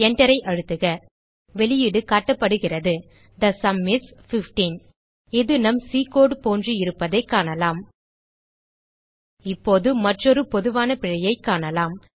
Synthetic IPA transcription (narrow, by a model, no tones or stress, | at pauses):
ɛɳɖɐɾɐɪʔɐɻɯt̪ːɯɣɐ | ʋɛɭɪjɪɽɯkaːʈːɐpːɐɽɯɣɪrɐðɯ | d̪ɐsɐmːɪsfɪfʈiːn | ɪðɯnɐmsiːkoːɽpoːndriɪɾɯpːɐðɐɪkːaːɳɐlaːm | ɪpːoːðɯmɐʈrɔɾɯpɔðɯʋaːnɐpɪɻɐjɐɪkːaːɳɐlaːm